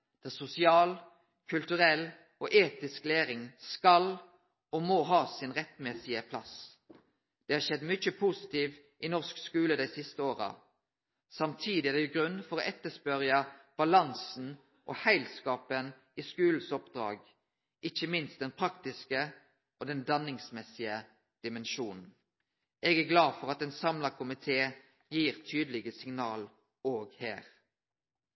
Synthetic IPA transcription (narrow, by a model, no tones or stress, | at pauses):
d̪̥æsʊsɪɑːl | kʰʉlt̪ʉʁɛl | oːʔeːt̪ɪskleːɾɪŋskɑl | ɔmoːɦɑːsɪnʁɛt̪mɛsɪəpʰlɑ̰s | d̪̥ɛːhɑːʃɛd̪ːmʏəpʰusɪt̪iːʋ | ʔɪnɔʁskskʉːləd̪æɪsɪst̪əoːʁə̰ | sɑmt̪ʰiːd̪ɪæd̪ɛjʊɡʁʉnːfɔʁɔʔɛt̪ːəspœʁjɑb̥ɑlɑnsn̩ | ʔo̰hæɪlskɑːpən | iskʉːl̩sɔpd̪ʁɑ̰ːɡ | ɪçəmɪnst̪̚d̪ɛnpʰʁɑkt̪ɪskə | ʔoːd̪ɛnd̪ɑnɪŋsmɛsɪə | d̪̥ɪmɛnʃuːnn̩ | eːɡæɡlɑːd̪fɔʁɑt̪eːnsɑmləkʰʊmɪt̪ʰeː | jiːʁt̪ʰyːd̪əlɪɡəsɪŋnɑːl | oːɡhæ̰ːʁ